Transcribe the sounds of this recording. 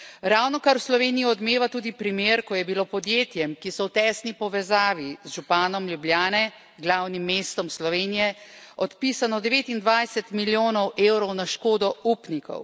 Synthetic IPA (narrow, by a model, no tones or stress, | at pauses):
ɾawnɔkaɾwslɔʋeːnijiɔd̪meːʋat̪uːd̪ipɾimeɾkɔjɛbilopɔd̪jeːt̪jɛmkisɔwt̪ɛːsnipɔʋɛzaːʋizʒupaːnɔmljubljaːnɛ | ɡlawnimːeːst̪ɔmslɔʋeːnijɛɔt̪piːsanɔd̪ɛʋeːt̪ind̪ʋajsɛt̪miljoːnɔwʔewɾɔwnaʃkoːd̪ɔuːpnikɔ̰w